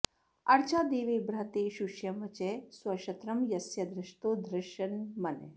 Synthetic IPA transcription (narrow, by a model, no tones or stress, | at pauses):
ɐɽt͡ʃaːd̪eːʋebɾat̪eʃuʃjɐmɐt͡ʃeswɐʃɐt̪ɾɐmjɐsjɐd̪ɾɪʃt̪oːd̪ɾɪʃɐnmɐne